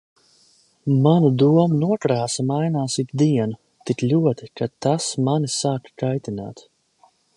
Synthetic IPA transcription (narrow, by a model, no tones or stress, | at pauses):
manud̪uɔmunuɔkɾaːsamajnaːsit̪d̪iɛnu | t̪iklʲuɔt̪ikat̪asmanisaːkkajt̪ina̰ːt̪